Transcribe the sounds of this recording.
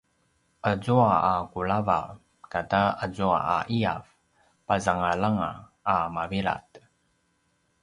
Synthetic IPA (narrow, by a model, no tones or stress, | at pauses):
ʔəzuaakuɭava̰ | kataəzua̰aʔiav | pazaŋalaŋa̰ː | maviɾa̰t